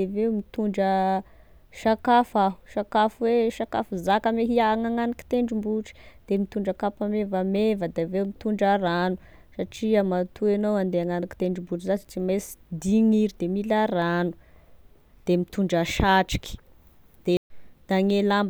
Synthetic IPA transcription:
evewmit̪uɳɖ͡ʐə | ʃakafaɦu̥ʃakafweʃaka̰fuzakameɦiaŋaŋanaki̥t̪eɳɖ͡ʐimbuʈ͡ʂi̥d̪̥emit̪uɳɖ͡ʐəkapamevamevəd̪avewmit̪uɳɖ͡ʐaɾanu̥ | saʈ͡ʂiamat̪ʰuenowand̪eaŋanaki̥t̪eɳɖ͡ʐimbuʈ͡ʂizad͡zi̥t͡simesi̥d̪iŋiɾid̪emilaɾanu̥ | d̪̥emit̪uɳɖ͡ʐəʃaʈ͡ʂi̥ki̥ | d̪̥ed̪̥aŋelamb

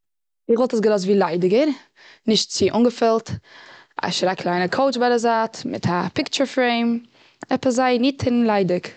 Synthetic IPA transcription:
ɪχvɔlˠtəsɡəlɔs̬tviːlˠaɪdɪɡəɾ | nɪʃt̚t͡sɪʔʊŋɡəfɛlˠt | a̰ʃɾakʰlˠaɪnəkʰoʊt͡ʃbaɪdəzaːtmɪ̰tʰapɪkt͡ʃəɾfɾeɪm | ɛpəszaɪnɪtʰɪnlˠaɪdɪk

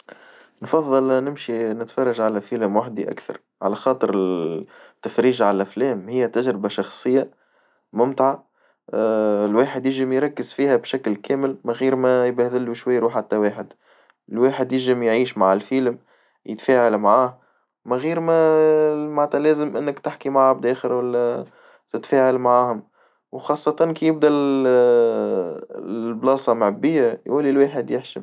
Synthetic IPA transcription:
nfɑðˤːɑlnɪmʃinɪt̪fɑrˤːɑʒʕalæfiːlɪmwaħd̪iʔa̰kθɑ̰ɾˤ | ʕalæxɑːt̪ˤəɾɪ | t̪ːæfɾiːʒʕalæflɛːmhɪjːæt̪æʒɾɪbaʃɑxsˤɨjːa | mʊmt̪ʕa | lwaːħɪd̪jɪʒɪmjɾˤɑkːɪzfiːhæbʃæklkæːmɪlmæɣiːɾmæjbæhðɪlːuʃwajːɾuħat̪ːæweːħɪd̪ | ɪlwaːħəd̪jɪʒɪmjʕiːʃmaʕɪlfilm | jɪt̪fæːʕalmaʕaːh | mæɣiːɾmæ | maʕt̪ælæːzəmʔɪnːəkt̪ɪħkimaʕb̚d̪æːxəɾwælːæ | t̪ɪt̪fæːʕalmaʕaːhʊm | wxɑːsˤːɑt̪ˤɑnkijɪbd̪æ | lblɑːsˤɑmʕbːɪjːæjwælːilwaːħəd̪jɪħʃi

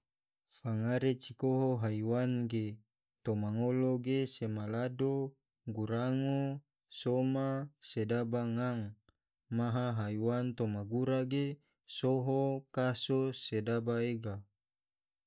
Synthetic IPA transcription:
faŋaɾet͡ʃikoɦoɦaiwanɡe | t̪omaŋoloɡesemalado | ɡuɾaŋo | somasedabaŋaŋ | maɦaɦaiwant̪omaɡuɾaɡe | soɦokasosedabaeɡa

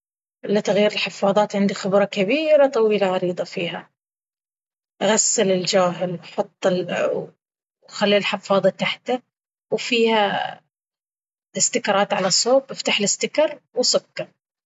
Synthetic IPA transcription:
ɪlːɪt̪aɣjiːɾɪlħɪfːɑːðˤɑːt̪ʕɪnd̪ixɪbɾˤɑkabiːɾat̪ˤɑwiːlaʕɑɾiːd̪ˤɑfiːɦa | ʔɣasːɪlɪld͡ʒaːɦɪlwħʊt̪ˤːɪl | xalːilħɪfɑːðˤɑt̪aħt̪a | wfiːha | ɪst̪ɪkɑɾˤɑːt̪ʕalasoːbʔɪft̪aħlɪst̪ɪkɑɾˤwsʊkːɑ

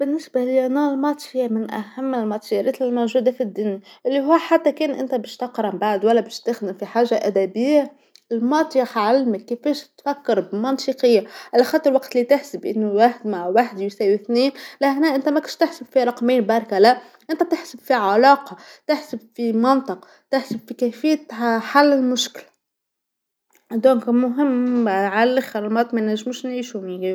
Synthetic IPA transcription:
b̥ɪnːɪsbaliʔnalmɑːt̪ˤjamɪnʔa̰hamːɪlmɑt̪ˤjɑɾɪt̪ɪlmowʒuːd̪afid̪ːʊnjaʔɪlːiɦʊːħat̪ːækeːnʔɪ̰nt̪æbeːʃt̪ɑqɾˤɑmbaʕd̪wælːæbeʃt̪ɪxd̪ɪmfiħaːʒːaʔæd̪æbɪjːa | ɪlmɑt̪ˤjaħʕalmakːefeːʃt̪fakːɪɾbmɑnsiqɪjːaʕalːaxɑːt̪ˤəɾwaqt̪lit̪ɪħsɪbʔɪnːuwaːħd̪maʕwaħd̪jsæːwiθniːnlæhnæʔɪnt̪æmækʊnʃt̪ɪħsɪbfiɾˤɑqmeːnbɑːɾˤkalæ | ʔɪnt̪æt̪ɪħsɪbfiʕalɑːqɑt̪ɪħsəbfimɑnt̪ˤɨq | t̪ɪħsɪbfikæfɪjːat̪ħalːɪlmʊʃkɪlæ | d̪õːŋkmʊɦɪmːʕallɪxɪɾlmɑːt̪ˤmænæʒːmuːʃnʕiːʃumi

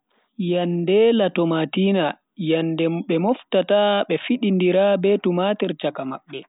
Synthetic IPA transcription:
jandɛlatɔmatiːna | jandɛɓɛmɔftataɓɛfiɗindiɾabɛtumatɛɾt͡ʃakama̰ɓːɛ

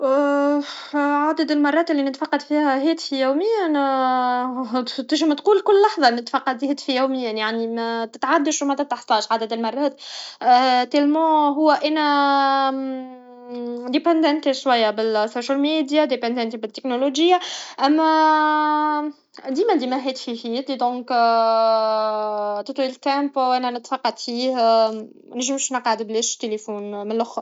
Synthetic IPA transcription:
ʕad̪əd̪əlmɑrˤːɑːt̪ɪlːinɪt̪fɑqːɑd̪fiːhæɦɛːt̪fijuwmɪjːæn | t̪ɪʒmæt̪quːlkʊlːɑħðˤɑnɪt̪fɑqːɑd̪hɛːt̪fijuwmɪjːanjaʕnimæt̪ɪt̪ʕad̪ːəʃmæt̪ɪt̪aħt̪ˤɑːʃʕad̪æd̪ɪlmɑrˤːɑːt̪ː | t̪elmɑ̃ɦʊwːæʔænæ | d̪epɑ̃nd̪ɛnt̪iʃwæjːabɪlsoʃælmid̪jad̪epɑnd̪ɛnt̪ibɪt̪ːeknoloʒəjːaʔæmːæ | d̪iːmæd̪imæɦɛːt̪fihiːt̪led̪ɔ̃ːk | t̪ət̪ˤlilkæmpʔænænət̪fɑqːɑt̪fiːh | nʒimʃnɑqʕəd̪bleːʃt̪ːelefuːnmɪnlʊx

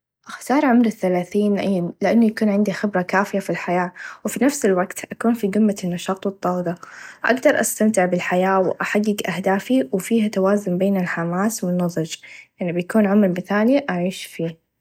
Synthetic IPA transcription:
ʔaxt̪ɑːɾˤʕʊmɾɪθːalaːθiːnlʔajːamlɪʔanːujakuːnʕɪnd̪ixɪbɾakaːfɪjafilħajaːwfinafsɪlwaɡt̪ʔakuːnfiɡ̪ʊmːanːɑʃɑːt̪ˤwɨt̪ˤːɑːwd̪ˤɑʔa̰ɡd̪ɑɾˤʔa̰st̪amt̪ɪʕbɪlħajaːwʔaħaɡːɪɡʔahd̪aːfiwfiːhat̪awaːzʊnbeːnɪlħamaːswɪnːɑðˤɨd͡ʒʔɪʕnibjakuːnʕamɾmɪθaːliʔaʕiːʃfiː

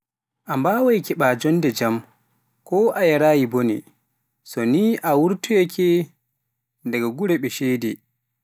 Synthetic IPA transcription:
ʔambaːwajkɛɓaːd͡ʒɔnːdɛd͡ʒam | kɔʔajaɾaːjibonḭ | sɔniʔawuɾtujɛkʰɛ | ndɛɡaɡuɾɛɓɛʃɛjdɛ

